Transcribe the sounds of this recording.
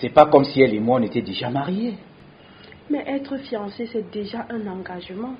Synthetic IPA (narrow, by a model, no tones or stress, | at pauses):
sɛpakɔmsiɛlemwãɔ̃net̪ɛd̪eʒamaʁje | mɛʔɛt̪χəfjɑ̃sesɛd̪eʒaʔɛ̃nɑ̃ɡaʒəmɑ̃